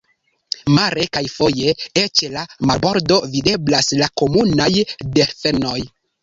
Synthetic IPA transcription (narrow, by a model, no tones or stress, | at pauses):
maɾe̞kajfo̞je̞et͡ʃlamabo̞ɾdo̞vide̞blaslako̞munajde̞ɾfeno̞j